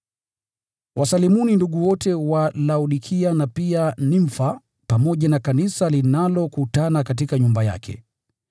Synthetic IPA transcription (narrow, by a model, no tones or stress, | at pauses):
wʔasalimuninduɠuwɔtɛwalauɗikʰianapianiɱfa | pamɔʄanakanisalinalɔkutanakatikaɲumbaja̰kʰɛ̰